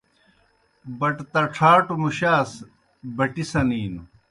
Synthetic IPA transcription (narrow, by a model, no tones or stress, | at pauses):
bɐʈt̪ɐʈ͡ʂʰaːʈumuɕaːs | bɐʈisɐniːnu